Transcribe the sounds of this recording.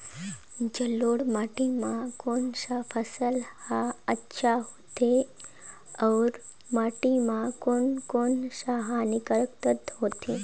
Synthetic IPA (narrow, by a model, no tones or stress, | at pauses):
d͡ʒəloɽmaʈimãkonʃafʰəsəlhaətːʃʰaɦot̪ʰe | əʋɾ | maʈimãkonkonʃaɦanɪkəɭk̚t̪ət̪ɦot̪ʰe